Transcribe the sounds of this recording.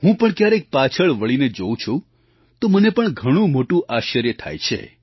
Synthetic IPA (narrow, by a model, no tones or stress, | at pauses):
ɦũpəɳkjaɾek̚pat͡ʃʰəɭʋəɭined͡ʒoũt͡ʃʰũ | t̪omənepəɳɡʱəɽ̃ũmoʈũʔaʃəɾjət̪ʰa̰jt͡ʃʰḛ